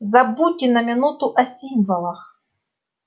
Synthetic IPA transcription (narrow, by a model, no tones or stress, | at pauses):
zɐbutʲːɪnɐmʲɪnut̪ʊʔɐsʲimvɐlˠɐx